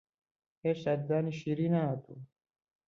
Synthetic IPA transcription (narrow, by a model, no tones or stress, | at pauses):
eʃad̪zaːniʃiɾinat̪ʰu